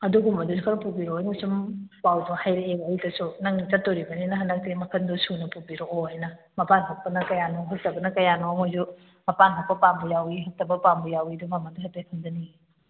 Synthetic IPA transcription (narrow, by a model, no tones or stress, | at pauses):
ɐduɡumɐdusukʰanpubiɾoajnɐsumpawduhajɾeebaːjtɐsunɐŋnit͡ʃɐt̚doɾibɐninɐɦɐndak̚tiɡimɐkʰɐndɔsunɐpubiɾooɦajnɐ | mɐpanɦok̚pɐnɐkɐjanoɦɐk̚tɐbɐnɐkɐjanoŋojzu | mɐpanɦok̚pɐpambujawiɦɐk̚tɐbɐpambujawidumamɐduɦɐt̚tːapʰɐmd͡ʒɐniɡi